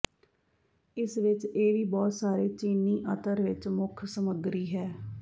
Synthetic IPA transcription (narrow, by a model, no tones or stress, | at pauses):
ɪsʋɪt͡ʃeːʋiːbɔːt̪saːɾeːt͡ʃiːniːʔət̪əɾʋɪt͡ʃmʊkʰsəməɡɾiːɦɛː